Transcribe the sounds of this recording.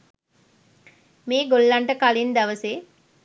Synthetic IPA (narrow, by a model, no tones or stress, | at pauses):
meːɡolːaɳʈəkalind̪æʋəseː